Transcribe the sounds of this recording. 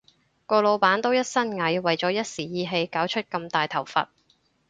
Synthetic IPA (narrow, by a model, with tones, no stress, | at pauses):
kɔː˧lo˨˧wpaː˨˥nt̪o˥wjɐ˥t̚sɐ˥nŋɐ˨˥jwɐ˨jt͡sɔː˨˥jɐ˥t̚siː˨˩jiː˨˧ɦe˧jkaː˨˥wt͡ʃʰɵ˥t̚kɐ˧mt̪aː˨jt̪ʰɐ˨˩wfɐ̰˨t̚